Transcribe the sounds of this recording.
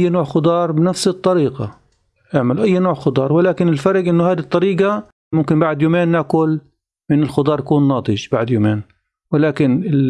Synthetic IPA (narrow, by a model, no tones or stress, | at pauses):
jːnoːʕxʊd̪ˤɑːɾˤbɪnafsɨt̪ˤːɑɾiːɡɑ | ʔɪʕmɪlʔajːnoːʕxʊd̪ˤɑːɾˤwɪlaːkɪnɪlfɑɾˤɡʔɪnːʊhaːd̪it̪ˤːɑɾiːɡɑ | mʊmkɪmbaʕd̪juːmeːnːakʊl | mɪnɪlxʊd̪ˤɑːɾˤjakuːnːɑːt̪ˤɨʒbaʕd̪juːmeːn | wɪlaːkɪnɪ